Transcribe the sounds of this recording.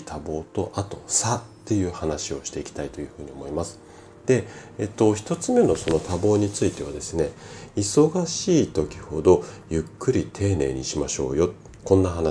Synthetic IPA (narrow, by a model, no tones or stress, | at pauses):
t̪ʰabo̞ːt̪o̞ʔat̪o̞sat̪ːe̞jɯ̟ːhanaɕio̞ɕi̥t̪e̞ikʲi̥t̪ait̪o̞jɯ̟hɯ̟ːɲ̟io̞mo̞imasɨ̥ | d̪̥e̞et̪ːo̞çi̥t̪o̞t͡sɨme̞no̞so̞no̞t̪abo̞ːɲ̟it͡sɨit̪e̞β̞ad̪e̞sɨne̞iso̞ɡaɕiːt̪o̞kʲi̥ho̞d̪o̞jɯ̟kːɯ̟ɾʲit̪ʰe̞ːne̞ːɲ̟iɕimaɕo̞̰ːjo̞t̪ | kõ̞nːaɦana